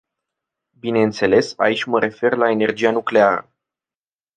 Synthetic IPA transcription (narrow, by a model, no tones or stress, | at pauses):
bine̞ɨnt̪se̞le̞sa̰it͡ʃʲməɾe̞fe̞rlae̞ne̞rd͡ʒijanukle̞aɾə̰